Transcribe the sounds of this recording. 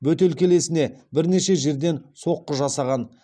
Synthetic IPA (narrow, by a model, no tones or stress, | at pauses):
bɵt̪elkʲʰele̞sɪne̞bɪɾne̞ʃe̞ʒe̞ɾd̪e̞nso̞qːəʒɑsɑʁɑn